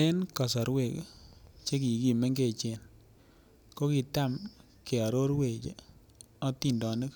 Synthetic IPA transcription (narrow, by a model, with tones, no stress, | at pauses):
e˦nka˨s̬ɔ˨ɾwe˨kt͡ʃe˦k̬i˨ki˨me˦ŋɡe˨t͡ʃe˨n | ko˦ki˨ta˦m | ke˨a˨ɾo˦ɾwe˨t͡ʃḛ˨ | ɔ˦ti˦˨ndɔ˨nɨ˦k